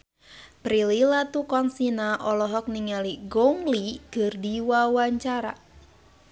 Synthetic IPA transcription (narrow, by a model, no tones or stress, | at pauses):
pɾililat̪ukɔnsinaʔɔlɔɦɔk̚niŋaliɡɔŋliɡɨrdiwawaɲt͡ʃaɾa̰